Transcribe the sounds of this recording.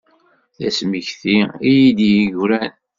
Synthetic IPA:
θæsmiçθiijid̪ijiʝɾæn

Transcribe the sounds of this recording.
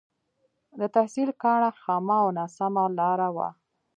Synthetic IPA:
d̪ət̪ahsilkɑɳaxɑmaanasamalɑɾawa̰

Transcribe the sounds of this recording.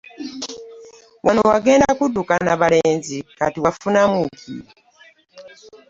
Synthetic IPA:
wʔanowaɡe̞ːndakudukanaβale̞ːnzikatiwafunamukḭɾi

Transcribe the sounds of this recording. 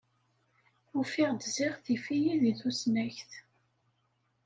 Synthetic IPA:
ʊfiʁd̪ziʁθifijiðiθusnæçθ

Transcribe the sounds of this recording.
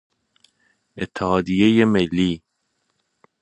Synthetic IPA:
et̪ʰːehɒːd̪ijejemelːiː

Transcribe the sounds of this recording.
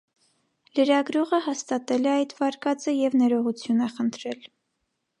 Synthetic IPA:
ləɾɑɡɾɔʁəhɑst̪ɑt̪ɛlɛɑjt̪vɑɾkɑt͡səjɛvnɛɾɔʁut͡sʰjunəχənt̪ʰɾɛl

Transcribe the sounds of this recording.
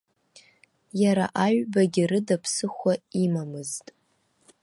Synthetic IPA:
jaɾa̰ʔaɥbaɡʲɪrɨdapʰsɨχʷaimamɨztʼ

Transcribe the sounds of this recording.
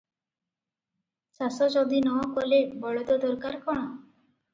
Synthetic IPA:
sasɔd͡ʒɔd̪inɔɔkɔlebɔɭɔd̪ɔd̪ɔɾkaɾkɔɽ̃ɔ

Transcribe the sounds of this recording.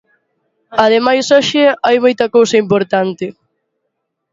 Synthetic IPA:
ɐð̞emajsɔʃɪajmojt̪ɐkowsɐimpoɾt̪ant̪ɪ

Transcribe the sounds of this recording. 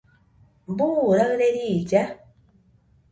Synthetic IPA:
mbuɾaɣɾeɾid͡ʒa

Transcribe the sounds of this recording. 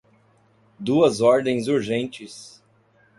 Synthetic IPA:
d̪uɐzɔɾd̪ẽj̃zuɾʒẽnt͡ʃɪs

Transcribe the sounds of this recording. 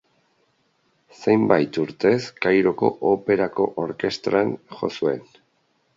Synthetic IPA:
se̞jmbajt̪uɾt̪e̞skajɾo̞ko̞̰ʔope̞ɾako̞ʔoɾke̞st̪ɾanxo̞̰sue̞n

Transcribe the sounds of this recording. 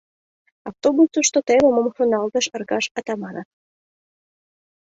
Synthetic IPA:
ɑft̪obusuʃt̪ot̪eβemomfunɑlt̪əʃərɣɑʃɑt̪ɑmɑnɑt̪̚

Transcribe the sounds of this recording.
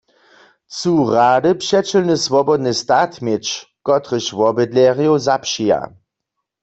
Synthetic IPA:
t͡suʁaːdəpʃɛt͡ʃəlnəsvɔbɔdnəstaːtmjet͡ʃkɔtʁəɕvɔbədlɛːʁjowzapʃija̰

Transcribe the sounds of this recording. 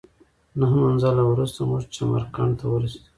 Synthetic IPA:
naɦmanzalawɾust̪amuʐt͡ʃama̰ɾkaɳt̪awəɾisd̪u

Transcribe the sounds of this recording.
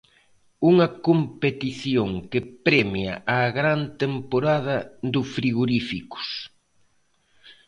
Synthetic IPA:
uŋɐkompet̪iθjoŋkɪpɾemjɐ̰ʔaɣɾant̪empoɾað̞ɐd̪ʊfɾiɣoɾifikʊ̥s

